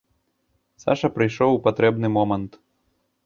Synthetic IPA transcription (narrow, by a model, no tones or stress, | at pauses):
sa̰ʂɐpɾɨjʂɔwwpat̪ɾɛbnɨmɔmɐnt̪